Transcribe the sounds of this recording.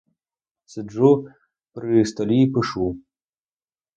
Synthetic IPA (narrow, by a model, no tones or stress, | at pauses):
sɨu | pɾɨst̪ɔlʲipɨʂu